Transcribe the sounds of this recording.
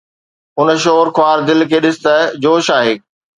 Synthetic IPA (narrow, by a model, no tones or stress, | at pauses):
ʊn̆ʃoːɾkʰʊaːɾd̪ɪlkʰeːɗɪsɪ̥t̪əd͡ʑoːʃaːɦeː